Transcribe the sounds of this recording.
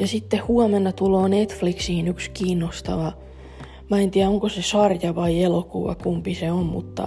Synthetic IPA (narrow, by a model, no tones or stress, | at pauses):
jɑsit̪ːehhuɔmenːɑt̪uloːnet̪fliksiːnykskiːnːost̪ɑʋɑ | mɑent̪iæoŋkosesɑrjɑʋɑielokuʋɑ̰kumpiseommṵt̪ːɑ̰